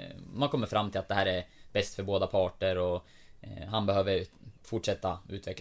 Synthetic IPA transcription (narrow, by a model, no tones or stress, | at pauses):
mankʰɔmːəɾfɾamːt̪ʰɪlat̪̚d̪ɛɦæːɾɛɾbɛst̪fœɾboːd̪apʰɑːʈəɾɔ | ɦanbɛhøːʋəɾfʊʈʂɛt̪ːaʉ̟ːt̪ʰvɛkl